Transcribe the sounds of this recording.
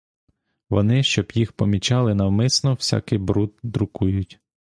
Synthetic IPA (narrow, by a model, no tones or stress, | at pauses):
ʋɔ̰nɪʃt͡ʃɔbjixpɔmʲit͡ʃɑlˠɪnɐwmɪsnɔw̥sʲa̰kɪjbɾut̪̚d̪ɾʊkujʊtʲ